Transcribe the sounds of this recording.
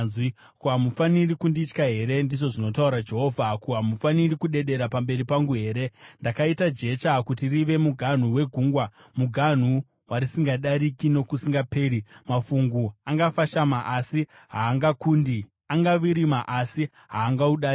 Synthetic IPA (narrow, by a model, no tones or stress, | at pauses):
wi | kuɦamufanirikundit͡ʃkaɦe̞ɾe̞ndiʐo̞ʐino̞tauɾad͡ʒe̞ɦo̞vʱakuɦamufanirikuɗe̞ɗe̞ɾapambe̞ɾipaŋɡuɦe̞ːɾe̞ndakaitad͡ʒe̞t͡ʃakutiriʋe̞muɡʱan̤uwe̞ɡʱuːŋɡwa | muɡʱan̤u | waɾisiŋɡaɗaɾikino̞kusiŋɡape̞ːɾimafuŋɡuaŋɡafaʃamaʔasi | ɦaːŋɡakundi | aŋɡaʋiɾimaʔasi | ɦaːŋɡauɗai